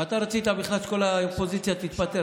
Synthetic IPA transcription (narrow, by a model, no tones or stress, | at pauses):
at̪aɾat͡sit̪abiχlasko̞laopo̞zit͡sjat̪it̪bat̪e